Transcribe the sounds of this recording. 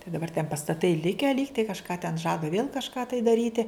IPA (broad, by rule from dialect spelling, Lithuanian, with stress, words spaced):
tɐɪ dɐˈbɐr tʲɛn pɐstɐˈtɐɪ ˈlʲɪkʲæː ˈlʲiːktɐɪ kɐʃˈkɑː tʲɛn ˈʒɑːdɐ ʋʲeːlˠ kɐʃˈkɑː tɐɪ dɐˈrʲiːtʲɪ